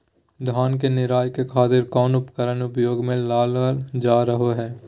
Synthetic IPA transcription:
d̪ʱaːnk̬enɪɾaːjkekʰaːt̪ɪɾkɔːnʊpkəɾənʊpjoːɡmẽlaːləld͡ʒaːɾəɦoɦɛː

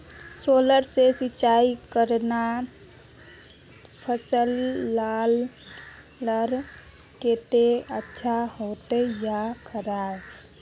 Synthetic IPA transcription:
soːləɾsesɪt͡ʃaikəɾna | pʰəsəlːalː | əɾ | ket̪eətːʃʰahoːt̪ejakʰəɾa

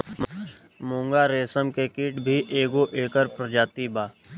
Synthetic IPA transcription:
mõːŋɡaɾeːsəmkekiːʈbʱiʔeːɡoʔeːkəɾpɾəd͡ʒaːt̪ibaː

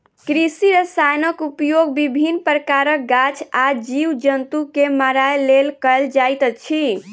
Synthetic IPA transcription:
kɾisiɾəsajnəkupjoɡbibʱinpɾəkaɾək̚ɡat͡ʃʰad͡ʒiwd͡ʒənt̪ukeməɾajlelkəjld͡ʒajt̪t͡ʃʰi

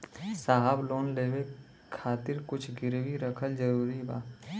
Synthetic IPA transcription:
saːɦəbloːnleːwe | kʰaːt̪ɪɾkʊt͡ʃʰɡɪɾwiɾəkʰəld͡ʒɐɾuːɾibaː

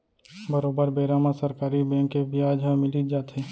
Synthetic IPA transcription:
bɐɾoːbəɾbeːɾaːmasɐɾkaːɾibɛ̃ːŋkːebiaːd͡ʒɦãmɪlid͡ʒaːt̪ɦeː

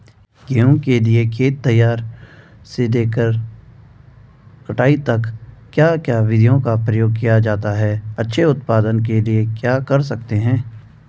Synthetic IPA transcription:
ɡeːõkeliekʰeːt̪ːɐjːaːɾ | sed̪eːkəɾ | kɐʈaːit̪ɐkkːjaːkjaːʋɪd̪ʱijõkapɾɐjoːɡ̚kijad͡ʒaːt̪aɦɛːɐtːʃʰeʊt̪paːd̪ənkeliekjaːkɐɾsɐk̚t̪eɦɛ̃ː

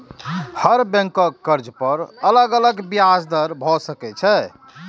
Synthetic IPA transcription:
həɾbẽŋkəkːəɾd͡ʒpəɾələɡələɡbiasd̪əɾbʱɔsəkɛt͡ʃʰɛ

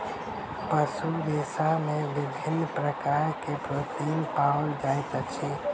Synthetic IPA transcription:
pəsud̪eːsamẽbɪbʱɪnːpɾəkaːɾkepɾot̪inpald͡ʒajt̪at͡ʃʰi

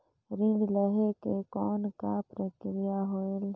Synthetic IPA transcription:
ɾĩɖləɦekekɔːnkapɾəkɾɪjaɦoel

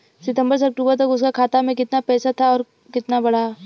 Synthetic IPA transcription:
sɪt̪ə̃mbəɾs̬ɐk̚ʈuːbəɾt̪̬ɐkʊskakʰaːt̪amẽkɪt̪napɛːsat̪ʰaɔːɾ | kɪt̪nabɐɽa

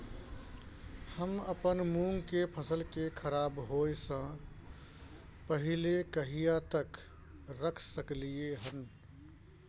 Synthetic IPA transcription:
həməpənmũŋɡkepʰəsəlkekʰəɾabɦoesə̃ | pəɦilekəɦijat̪ək | ɾəkʰsəklijeɦən

